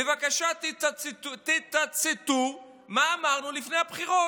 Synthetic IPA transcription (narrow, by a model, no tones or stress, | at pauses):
evakaʃat | t̪it̪at͡set̪u | maːmaʁnulifne̞jhabχiʁo